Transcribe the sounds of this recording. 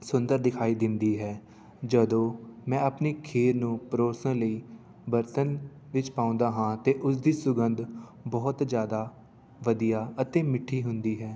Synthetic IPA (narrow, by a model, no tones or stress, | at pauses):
sʊ̃nd̪əɾd̪ɪkʰaːiːd̪ɪnd̪iːɦɛː | d͡ʒəd̪õːmɛ̃ːəpniːkʰeːɾnũːpɾoːsə̃ləiː | bəɾt̪ənʋɪt͡ʃpaːʊ̃nd̪aːɦãːt̪eːʔʊsd̪iːsʊɡənd̪bɔːt̪d͡ʒjaːd̪aː | ʋəd̪ijaːət̪eːmɪʈʰːiːɦʊnd̪iːɦɛː